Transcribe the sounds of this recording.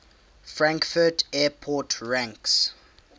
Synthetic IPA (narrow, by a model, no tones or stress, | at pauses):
fɹãŋkfətɛːpʰɔtʰɹãŋks